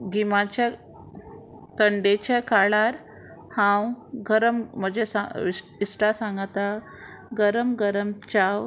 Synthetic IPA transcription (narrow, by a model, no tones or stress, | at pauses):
ɡimat͡ɕa | t̪əɳɖet͡ɕakaɭaɾ | hãwɡəɾəmm̤əd͡ʑesa̰iisʈasãŋɡat̪a | ɡəɾəmɡəɾəmt͡ɕaw